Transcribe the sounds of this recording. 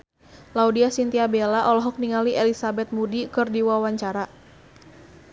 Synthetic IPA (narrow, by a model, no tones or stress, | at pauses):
laudiasint̪iabelaʔɔlɔɦɔk̚niŋaliʔɛlisabɛt̪̚mudikɨrdiwawaɲt͡ʃaɾa